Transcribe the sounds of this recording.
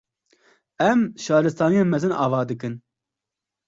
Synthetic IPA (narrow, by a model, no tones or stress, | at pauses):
ɛmʃɑːɾɨst̪ɑːnijeːnmɛzɨnɑ̰ːvɑːd̪ɨkɨn